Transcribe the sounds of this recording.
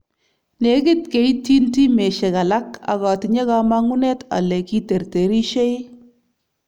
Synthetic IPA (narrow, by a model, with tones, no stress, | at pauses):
ne˨˦ɡɪ˦tke˨˦i˦ti˦nti˦me˨ʃe˨ka˨la˦ka̰˨ɣɔ˨tɪ˨ɲe˦ɣa˦ma˦ŋʊ˦nɛ˦ta̰˨lɛ˨ki˦te˨rte˨ɾi˦ʃe˦j